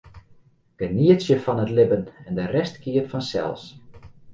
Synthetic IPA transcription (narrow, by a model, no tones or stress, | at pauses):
ɡ̥əniətsjəfɔnətlɪbənɛndərɛstkʰiətfɔnsɛ̰lˠs